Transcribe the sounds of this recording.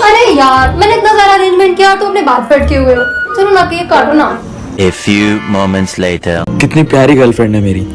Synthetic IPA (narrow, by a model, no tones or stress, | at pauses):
ɐɾejaːɾmɛ̃ːneɪt̪nazjaːɾaːɾẽːnd͡ʒmɛ̃ɳʈ̚kijaɔɾt̪oɐpnebaːt̪feɖkeɦʊet͡ʃɐlonãkeekaːɖonaː | efjuːmoːmə̃nʈsleːʈəɾkɪt̪nipjaːɾiɡɐlfɾɛ̃ɳɖɦɛmeːɾi